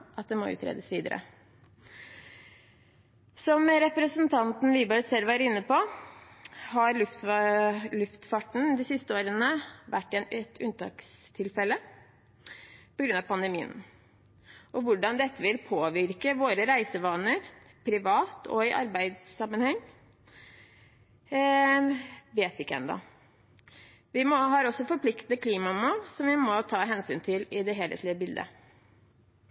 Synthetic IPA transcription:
ʔɑt̪̚d̪ɛmɔ̰ʉ̰ːt̪ʰɾḛːd̪əsʋiːd̪ə̰ɾə̰ | sɔmɾɛpɾəsənt̪ʰɑnt̪n̩ʋibøsɛlːʋæːɾəɪnːəpɔ | hɑɾlʉft̪ | lʉft̪fɑʈɳ̩d̪ɪsɪst̪əoːɾənəʋæʈːɪɛnɛt̪ʰːʉnt̪ɑ̰ːkst̪ʰɪlfɛlə | pɔɡɾʉnɑʋpʰɑnd̪əmiːə̰n | ʔɔʋʊɖɑnd̪ɛt̪ːəʋɪlpʰoːʋɪɾkəʋoːɾəɾæɪsəʋɑːnəɾ | pʰɾɪʋɑːt̪ʰɔ̰ɪʔɑ̰ɾbæɪd̪sːɑmːənhɛŋː | ʋeːt̪ʋɪɪkːəɛ̰nd̪ɑ̰ | ʋɪmɔɦɑːɾɔsːɔfɔɾpʰlɪkt̪n̩əkʰliːmɑmuːlsɔmʋɪmɔt̪ʰɑːɦɛnsyːnt̪ʰɪlɪd̪ɛɦeːlḛːt̪lɪəbɪld̪ə̰

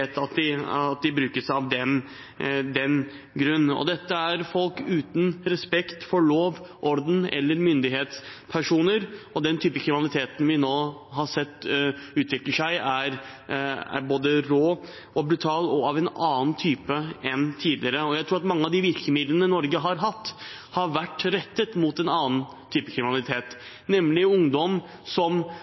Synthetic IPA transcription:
eːt̪ɑt̪d̪ɪɑt̪̚d̪ɪbɾʉːkəʂɑʋd̪ɛn | d̪ɛn | ɡɾʉnːɔ̰d̪ɛt̪ːəæɾfɔlkʉːt̪n̩ɾɛspɛkt̪fɔɭoːʋʔɔɾd̪n̩ɛ̰lːəɾmʏnd̪ɪɦeːt̪spʰæʂuːnəɾɔd̪ɛnt̪ʰyːpəkʰɾɪmɪnɑlɪt̪ʰeːt̪n̩ʋɪnoːɦɑsɛt̪ːʉːt̪ʰʋɪkləʂæɪæɾ | æ̰ɾboːd̪əɾoː | ɔbɾʉt̪ʰɑːlɔɑʋɛnɑːnt̪ʰyːpəɛnt̪ʰiːd̪lɪəɾəɔjæɪɾuːɾɑt̪mɑŋːəɑʋd̪ɪʋɪɾkəmɪd̪lənəɪnɔɾɡəɦɑɾɦɑt̪ː | hɑɾʋæʈːɾɛt̪ːət̪mut̪ɛnɑːn | t̪ʰyːpəkʰɾɪmɪnɑlɪt̪ʰeːt̪ | nɛmlɪʊŋd̪ɔm | sɔm

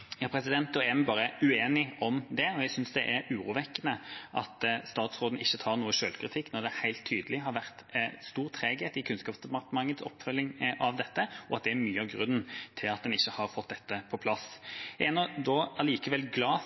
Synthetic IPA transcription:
jɑpʰɾɛsɪd̪ɛnt̪ːɔɛmæbɑːɾəʉeːnɪɔmd̪ɛɔjæɡsʏnsd̪ɛʔæɾʉːɾuːʋɛkːənəʔɑ̰t̪st̪ɑːt̪sɾoːd̪n̩ɪçːət̪ʰɑːʁnuːəʂøːlkɾɪt̪ʰɪkːnɔd̪ɛhæɪlt̪ʰːyːd̪əlɪɦɑɾʋæʁt̪st̪uːʁt̪ʰɾeːɡet̪ɪkʰʉnskɑːpsd̪ɛpɑʁt̪əmɑŋːət̪sɔ̰pːfœlːɪŋʔɑʋd̪ɛt̪ːəʔɔɑt̪̚d̪ɛæɾmyːəɑʋɡɾʉnnt̪ʰɪlɑt̪̚d̪ɛnɪçːəhɑɾfɔt̪̚d̪ɛt̪ːəpʰɔpʰlɑsæɛnːɔd̪ɔɑliːkəʋɛlɡlɑː

